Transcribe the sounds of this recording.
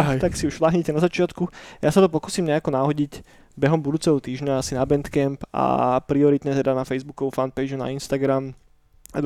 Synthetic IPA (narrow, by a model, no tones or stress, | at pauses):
ɦt̪aksiuʃʋlaɦɲɛcɛnazat͡ʃɪat̪kujasat̪ɔpɔkuːsiːmɲɛakɔnaɦɔɟiɟ | bɛɦɔmbud̪uːt͡sɛɦɔt̪iːʒɲaasinabɛnt̪kɛmpa̰pɾiɔɾit̪ɲɛt̪ɛd̪anafɛjzbukɔʋufanpɛjd͡ʒuna̰inst̪aɡɾam | ad̪